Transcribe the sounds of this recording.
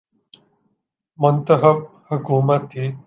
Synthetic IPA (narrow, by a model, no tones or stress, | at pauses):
mənt̪əɦəp̚hɐɡoːmat̪ʰi